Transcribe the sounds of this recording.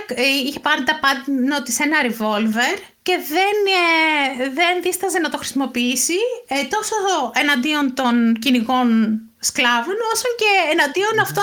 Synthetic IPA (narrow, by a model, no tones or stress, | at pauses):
içe̞pɐɾɾit̪ɐpɐt̪inot̪ise̞nɐɾevo̞lve̞ɾ | ce̞ðe̞n | ðenðist̪ɐzenɐt̪o̞xɾisimopiisit̪o̞soe̞nɐnd̪io̞nt̪o̞nciniko̞n | sklɐvono̞sɐɲce̞ːnɐnd̪io̞nɐft̪o